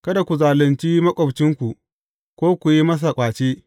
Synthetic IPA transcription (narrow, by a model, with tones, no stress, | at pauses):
kɐ˦da˨kʷu˨zaː˨lɪ˨nt͡ʃiː˦mɐ˦kʷʼɔ˨bt͡ʃɪ˦ŋkʷu˨ʔ | kʷoː˦kʷu˨ji˦mɐ˦s̬a˨kʷʼaː˨t͡ʃeː˦